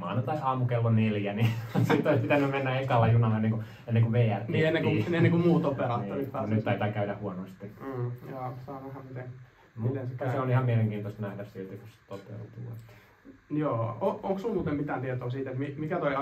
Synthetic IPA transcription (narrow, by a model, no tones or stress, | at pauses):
mɑ̰ˑinɑt̪ɑsɑːmukelːoneljænisiːt̪ːoˑispit̪ænːymmenːæekɑlːɑjunɑlːenːeŋku | enːeŋkuʋeːært̪neienːeŋkuenːeŋkumuːt̪op̪eɾɑːt̪ːorit̪nyt̪t̪ɑit̪ɑːkæydæhuonost̪iːjoːsɑːæhæmmit̪eŋ | mut̪ensːɑseonihɑmmieleŋkiːnt̪ost̪næhdæssilt̪ikust̪op̪ḛlt̪ṵɑ̰t̪ː | joːooŋksummuːt̪emmit̪æːnt̪iet̪oːsiːt̪et̪mimikæt̪oi